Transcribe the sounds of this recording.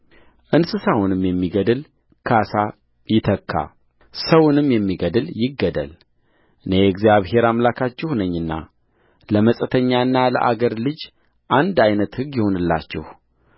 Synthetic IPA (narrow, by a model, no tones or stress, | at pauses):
ʔɨnsɨsawunɨmjɛmːiɡəd̪ɨl | kʰasa | jɪt̪ʰəkʰːa̰ | səwʊnɨmjɛmːiɡəd̪ɨljɪɡːəd̪ə̰l | ʔɨneɛɡzijaβhe̞ɾamlakʰat͡ʃːɛhnəɲːɨnːa̰ | ləməsʼət̪ʰəɲːaɨnːalə̰ʔa̰ɡəɾlɨd͡ʒ | ʔand̪ajnət̪hɨɡjɪho̞nɨlːa̰t͡ʃːɪ̰h